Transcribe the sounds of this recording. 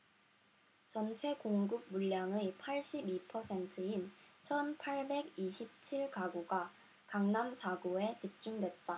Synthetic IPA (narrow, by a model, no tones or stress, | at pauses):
t͡ɕʌnt͡ɕʰe̞koŋɡɯɡ̚muʎːaŋɯpʰaɭɕ͈ibipʰʌsʰe̞ntʰɯint͡ɕʰʌnpʰaɭbe̞ɡiɕʰip̚t͡ɕʰiɭkaɡoɡa | kaŋnamsʰaɡoe̞t͡ɕip̚t͡ɕ͈undwe̞t̚t͈a